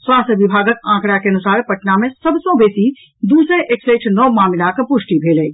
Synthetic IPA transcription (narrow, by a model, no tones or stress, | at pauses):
swaːst̪ʰʋɪbʱaːɡəkãːkɽjakeɐnʊsaːɾpɐʈnamẽsɐbʱsõbeːsi | d̪uːsẽʔekseːt͡ʃʰnɔːmaːmɪlakpʊʃʈibʱeːlẽː